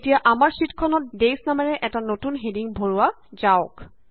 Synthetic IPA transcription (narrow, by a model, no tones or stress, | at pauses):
tijaʔamaɹsitkʰɔnɔt̚desnamɛɹɛʔɛtanotunɦediŋbʱoɹua | zaɔk